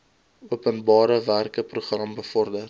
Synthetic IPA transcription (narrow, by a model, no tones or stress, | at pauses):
uəpənbɑːɾəværkəpruχrɐmbəfɔrdər